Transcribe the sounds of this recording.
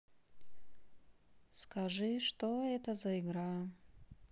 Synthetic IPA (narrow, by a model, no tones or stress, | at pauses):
skʰaʐɨʂt̪oɛt̪əzɐiɡɾa